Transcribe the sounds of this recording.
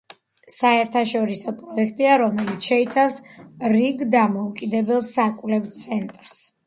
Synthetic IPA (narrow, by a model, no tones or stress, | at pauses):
saɛɾt̪ʰaʃɔɾisɔpʼɾɔɛkʰt̪ʼiaɾɔmɛlit̪sʰʃɛit̪sʰafsɾiɡd̪amɔukʼid̪ɛbɛlˠsakʼvlɛvt̪sʰɛnt̪ʼɾs